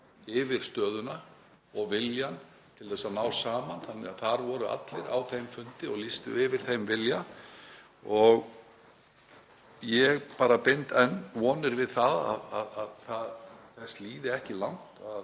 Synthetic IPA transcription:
ɪvɪɾ̥st̪œːðʏna | ɔɣvɪljan | t̪ʰɪlθɛsːanawsaːmanθanːɛaθaɾvɔːɾʏʔa̰t̪lɪɾa̰wθejmfʏnt̪ɪɔɣlist̪ʏ̰ɪvɪɾ̥θejmvɪlja | ɔɣ | jɛɣpaːɾapɪnt̪ɛnːvɔːnɪɾvɪðθaða̰ðaðaðθaðθɛst̪liːðɪɛhcɪlawn̥t̪að

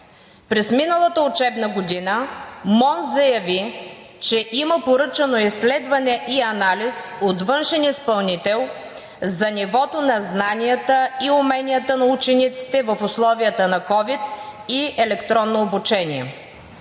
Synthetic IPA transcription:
pɾɛsminəlˠət̪əʊt͡ʃɛbnəɡod̪inəmɔnzɐjɐvit͡ʃɛʔiməpoɾɤt͡ʃɐnoislɛd̪vɐnɛʔiɐnalisot̪vɤnʃɛnispɐlˠnit̪ɛlˠ | zɐnʲivɔt̪onɐznanijət̪əiʊmɛnijət̪ənɐut͡ʃɛnit̪si̥t̪ɛvəfʊslˠɔviət̪ənɐkɔvit̪̚iɛlɛkt̪ɾɔnːoːbʊt͡ʃɛnʲiɛ̰

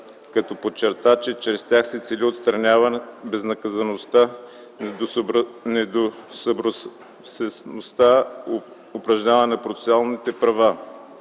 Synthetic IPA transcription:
kɐt̪ɔpot͡ʃːɛɾt̪at͡ʃɛt͡ʃɾɛst̪ʲaxsɛt̪sɛliot̪st̪ɾɐnʲavɐnbɛznɐkɐzɐnost̪a | nɛd̪osɐbɾo | sɛsnost̪a | opɾɐʒnʲavənɐpɾot̪sɛ̥sʲalˠnit̪ɛpɾɐva

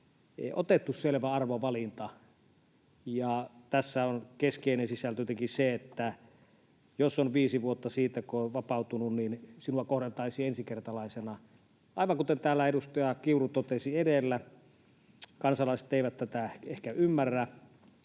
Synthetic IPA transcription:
ḛˑiʔo̰t̪et̪ːusselʋæɑrʋoʋɑlint̪ɑ | jɑt̪æsːæonkeskeˑinensisælt̪øt̪ekiseet̪ːæ | josːonʋiːsiʋuot̪ːɑsiːt̪ækoʋɑpɑˑut̪ununninsinuɑkohɾent̪ɑisiensikert̪ɑlɑˑisenɑ | ʔɑˑiʋɑŋkut̪ent̪æːlːæedust̪ɑjɑkiurut̪ot̪esiedelːæ | kɑnsɑlɑˑise̥t̪ːˑeˑiʋæt̪t̪æt̪æehkæymːærːæ

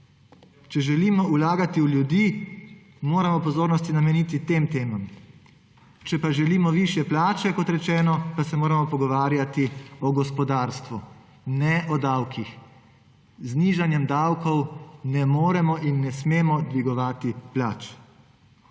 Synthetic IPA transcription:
t͡ʃɛʒɛliːmɔulaːɡat̪iuljud̪iː | moːɾamɔpɔzoːɾnɔst̪inamɛniːt̪it̪emt̪eːmɔm | t͡ʃɛpaʒɛliːmɔʋiʃjɛplaːt͡ʃɛkɔt̪ɾɛt͡ʃɛːnɔpasɛmoːɾamɔpɔɡɔʋaːɾjat̪iɔɡɔspɔd̪aːɾst̪ʋu | nɛʔɔd̪awkix | zniːʒanjɛmd̪awkɔwnɛmoːɾɛmɔʔinːɛsmeːmɔd̪ʋiɡɔʋaːt̪iplaːt͡ʃ

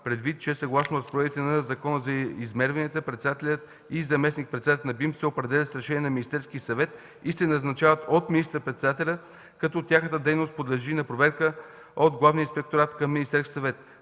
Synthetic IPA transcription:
pɾɛd̪vit̪̚t͡ʃɛsɐɡlˠasnoɾɐspojɛvit̪ɛnɐzɐkɔnəzɐizmɛɾvɐniət̪əpɾɛt̪sɛd̪at̪ɛlʲət̪ | izɐmɛsnik̚pɾɛt̪sɛd̪at̪ɛlʲnɐbimsɛopɾɛd̪ɛlʲət̪sɾɛʃɛnijɛnɐminist̪ɛɾskʲiəsɐvɛt̪ | isɛnɐznɐt͡ʃavət̪ot̪minist̪əɾpɾɛt̪sɛd̪at̪ɛlʲə | kɐt̪ɔt̪ʲjaxnət̪əd̪ɛjnost̪̚pod̪lɛʒinɐpɾovɛɾkə | od̪ɡlˠavniəinspɛk̚t̪oɾat̪kəmːinist̪ɛɾskʲi̥sɐvɛt̪

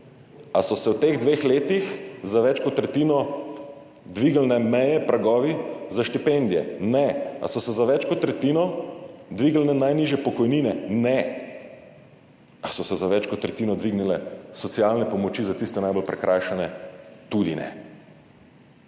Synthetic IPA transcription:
asɔsɛwt̪eɣd̪ʋeːxleːt̪ixzaʋɛt͡ʃkɔt̪ːɾɛt̪iːnɔ | d̪ʋiːɡlnɛmɛjɛpɾʔaɡɔːʋizaʃt̪ipend̪ijɛ̰nɛa̰sɔsɛzaʋɛt͡ʃkɔt̪ːɾɛt̪iːnɔd̪ʋiɡlnɛnajniʒjɛpɔkɔjniːnɛnɛ | asɔsɛzaʋɛt͡ʃkɔt̪ːɾɛt̪iːnɔd̪ʋiɡnilɛsɔt̪sijalnɛpɔmɔt͡ʃizat̪ist̪ɛnajbolpɾɛkɾʔajʃɛnɛt̪ud̪inɛ̰

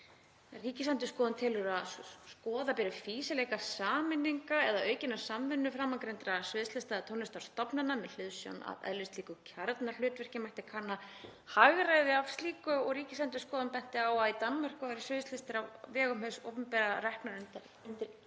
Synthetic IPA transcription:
riːcɪsant̪ʏskɔːðʏnt̪ʰɪlʏɾaðskɔːðapɛɾɪfiːsɪlɛːjkasaːmɪnːiŋkaɛðaœːɥcɪnːḁsamvɪnːʏfɾamːakɾejnt̪ɾasʏːðʏst̪lɪst̪aðt̪ʰonɪst̪ḁst̪ɔpnanːamɛðl̥ʏðsja̰wna̰vɛ̰ðlːʏst̪liːkʏcʰaɾt̪nal̥ʏːt̪vɛr̥cɪmajht̪ɪkʰanːahaɣɾajðɪavst̪liːkʏɔɣɾiːcɪsant̪̬ʏskɔːðʏnpɛn̥t̪ɪaːwait̪anmar̥kʏfaɾɪsʏːðʏst̪lɪst̪ɪɾavvɛːɣʏmhɛso̰wpʏmpɛɾarɛhpnaɾʏnt̪a | ʏnt̪ɪɾ

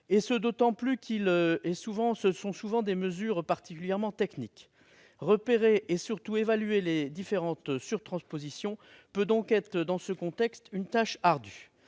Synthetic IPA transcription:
esəd̪ot̪ɑ̃plykʲʰiløɛsuvɑ̃səsɔ̃suvɑ̃d̪eməzyʁpaʁt̪i̥kʲyljɛʁmɑ̃t̪ɛknik | ʁəpeʁeʔesyʁt̪uevalyeled̪ifeʁɑ̃t̪syʁt̪χɑ̃spozisjɔ̃ | pød̪ɔ̃kɛt̪χəd̪ɑ̃səkɔ̃t̪ɛkst̪ynt̪aʃaʁd̪y

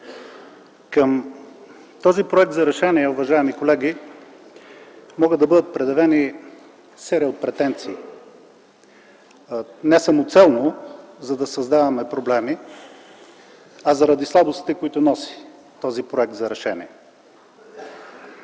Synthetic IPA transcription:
kəm | t̪ɔzipɾoɛk̚t̪zɐɾɛʃɛniɛuvɐʒaɛmikolɛɡi | mɔɡəd̪ɐbɤd̪ət̪̚pɾɛd̪ɐvɛni | sɛɾiot̪̚pɾɛt̪ɛnt̪siː | nɛsamot̪sɛlˠnozɐd̪ɐsɐzd̪avɐmɛpɾoblɛmi | ɐzɐɾɐd̪islˠabost̪i̥t̪ɛkoit̪ʊnɔsi̥ | t̪ɔzipɾoɛk̚t̪zɐɾɛʃɛnḭɛ

